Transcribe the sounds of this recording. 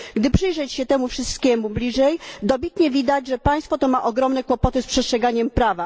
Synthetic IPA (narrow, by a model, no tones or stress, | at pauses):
ɡd̪ɘpʂɘjʐɛt͡ɕɕɛt̪ɛmufʂɘst̪kʲɛmublʲiʐɛjd̪ɔbʲit̪ɲɛvʲid̪ad͡ʑʐɛpaj̃st̪fɔt̪ɔmaʔɔɡɾɔmnɛkwɔpɔt̪ɘspʂɛstʂɛɡaɲɛmpɾava